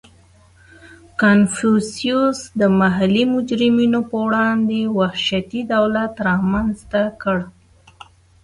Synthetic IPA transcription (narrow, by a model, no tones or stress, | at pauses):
kanfusiusd̪əmaɦalimʊd͡ʒɾɪminopəwɽɑnd̪ewahʃat̪id̪awlat̪ɾɑmanzt̪akəɽ